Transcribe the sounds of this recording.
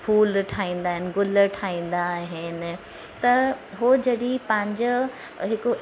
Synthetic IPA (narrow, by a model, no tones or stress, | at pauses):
pʰuːlʈʰaːĩːn̆d̪aːɦɪnɪ̆ɡʊləʈʰaːĩːn̆d̪aɦɪnɪ̆ | t̪ɐɦod͡ʑɐɽipɐ̃ɦɪ̃ɲd͡ʑ | ɦɪko